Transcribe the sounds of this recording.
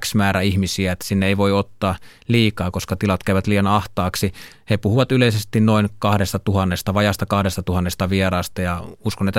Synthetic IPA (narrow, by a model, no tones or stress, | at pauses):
ksmæːɾæihmisiæet̪ːæ̥sinːeeiʋoiot̪ːɑː | liːkɑːkoskɑt̪ilɑt̪kæyʋæt̪liːjɑnɑht̪ɑːksi | hepuhuʋɑt̪yleisest̪innoinkɑhdest̪ɑt̪uhɑnːest̪ɑʋɑjɑst̪ɑkɑhdest̪ɑt̪uhɑnːest̪ɑʋierɑːst̪ɑjɑuskonet̪ː